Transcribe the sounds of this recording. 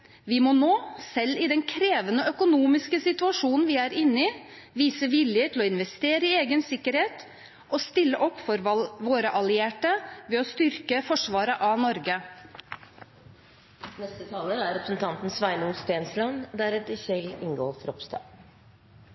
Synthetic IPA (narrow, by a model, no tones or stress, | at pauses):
ʋɪmɔnoːsɛlːɪd̪ɛnkʰɾeːʋənəœkʊnuːmɪskəsɪt̪ʉɑʂuːnn̩ʋɪæːɾɪnːɪ | ʋiːsəʋɪljət̪ʰɪlɔɪnʋɛst̪eːɾəɪeːɡənsɪkːəɾheːt̪ | ʔɔst̪ɪlːəʔɔpːfɔɾʋoːɾəʔɑlɪeːʈəʋɛːɔst̪ʏɾkəfɔʂʋɑːɾəʔɑnɔɾɡə | nɛst̪ət̪ʰɑːləæɾɾɛpɾsn̩t̪ʰɑnt̪n̩sʋæɪnuːst̪eːnslɑnd̪æɾɛt̪əçɛlɪŋɡo̰ːfɾɔpst̪ɑ̰ː